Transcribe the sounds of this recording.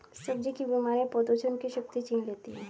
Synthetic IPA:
səbd͡ʒikibimaɾẽpəd̪əʃʰənkiʃək̚t̪it͡ʃĩːnlet̪iɦɛ̃ː

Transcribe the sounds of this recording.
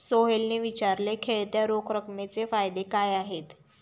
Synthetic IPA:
soɦelneʋit͡ɕaɾlekʰeɭt̪jaɾokʰɾəkmet͡sefajd̪ekajaɦet̪

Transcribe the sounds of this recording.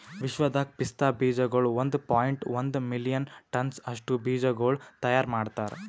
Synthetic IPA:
ʋiʃʋɐd̪ʱaːk̚pist̪aːbiːd͡ʒɐɡoːɭʋɐnd̪paːjiɳʈʋɐnd̪milijɐnʈɐnsɐʂʈubiːd͡ʒɐɡoːɭt̪ɐjaːɾmaːɖt̪aːɾ

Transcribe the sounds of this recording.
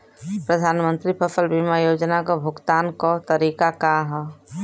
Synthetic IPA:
pɾəd̪ʱaːnmə̃nt̪ɾipʰəpʰəlbimajoːd͡ʒnakobʱʊɡt̪aːnkot̪əɾiːkakaɦɛ

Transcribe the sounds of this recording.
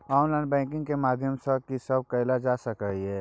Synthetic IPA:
ɔnlaɪnbɛ̃ŋkɪ̃ŋɡkemad̪ʱjəmsəkisəb̚kəɪlad͡ʒasəkəiɦɛ

